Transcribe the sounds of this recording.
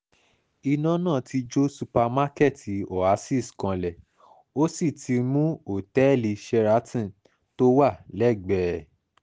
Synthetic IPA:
i˧nã˨˦nãː˦˨ti˧d͡ʒo˦su˧pa˧ma˦kɛ˦˨ti˨ɔ˨a˨˧˦si˦˨skã˧lɛ˨ | o˦si˦˨tʰi˧mũ˦o˨tɛ˨˦˨li˨˧ʃɛ˧ɾa˦tĩ˦˨ | to˦wa˦˨lɛ˦˨ɡ͡bɛ˨

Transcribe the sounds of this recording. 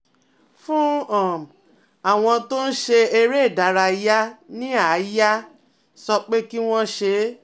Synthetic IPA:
fũ˦ã˦˨m˨ | a˨w̃ɔ̃˧to˦n̩˦ʃe˧e˧ɾe˦˨da˨˦ɾa˧ja˦nĩ˦a˨˦ja˦ | sɔ˧k͡pe˦ki˦w̃ɔ̃˦ʃe˧

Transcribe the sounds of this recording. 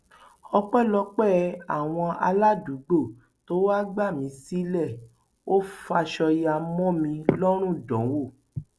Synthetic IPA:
ɔ˧k͡pɛ˦˨lɔ˧k͡pɛ˦˨a˦˨w̃ɔ̃˧a̰˧la˦du˨˦ɡ͡bo˦˨ | to˦wa˦ɡ͡ba˦˨mĩ˨˦si˦lɛ˦˨ | o˦fa˧ʃɔ˧ja˧mɔ̃˦mĩ˧lɔ˦ɾ̃ũ˦˨dɔ̃˨˦wo˦˨

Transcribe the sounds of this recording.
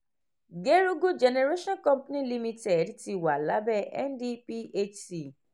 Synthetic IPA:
ɡe˦ɾu˦ɡo˦d͡ʒɛ˨ne˧ɾe˦ʃɔ̃˦nkɔ̃˦mpnĩ˦li˦mĩ˧te˨dti˧˨wa˨la˨˦bɛ˦ʔɛ̰˦ndi˦pi˦e˦t͡ʃsi˨

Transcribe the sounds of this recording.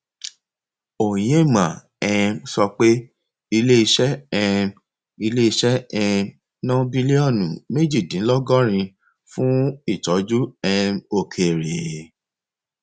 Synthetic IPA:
o˨jmã˨ | ɛ˧msɔ˧k͡pe˦ | i˧le˦i˧ʃɛ˦ɛ˧m | i˧le˦i˧ʃɛ˦ɛ˧m | nɔ̃˦bi˦li˦ɔ˦˨nũ˨me˦d͡ʒi˦˨dĩ˨˦lɔ˦ɡɔ˦ɾ̃ĩ˧ | fũ˦i˦˨tɔ˨˦d͡ʒu˦ɛ˧mo˦˨kʰe˨ɾe˨

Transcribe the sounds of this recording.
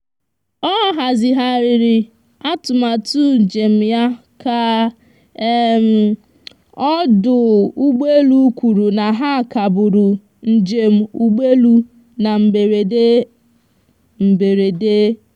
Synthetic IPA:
ɔ˦ɦa˨zɪ˨ɦa˨ɾɪ˨ɾɪ˨ | a˦tʊ˨ma˨tu˦˨d͡ʒe˨m̩˨ja˦ | ka˦ | e˦m̩˨ | ɔ˦dʊ˨u˦ɡ͡be˦lu˦kʷu˨ɾu˨na˨ɦa˦˨ka˨bʊ˨ɾʊ˨ | n̩˦d͡ʒe˨m̩˦u˦ɡ͡be˦lu˦ | na˨m̩˨e˨ɾe˨e˦ | m̩˨be˨ɾe˨de˦

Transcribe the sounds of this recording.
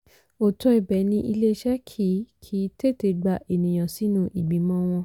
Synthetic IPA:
o˨tɔ˧i˨bɛ˨˦nĩ˧ʔi˧le˦ʃɛ˦kʰi˦kʰi˨˦te˦˨te˨˦ɡ͡ba˧˨ʔe˨nĩ˨j̃ã˨si˨˦nũ˦ʔi˨ɡ͡bĩ˨˦mɔ̃˧˦w̃ɔ̃˧

